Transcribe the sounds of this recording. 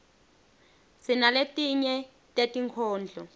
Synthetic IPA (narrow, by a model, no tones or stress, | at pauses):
sinaletʼiɲɛ | tʼetʼiŋkʰɔːnd͡ɮʱɔ̰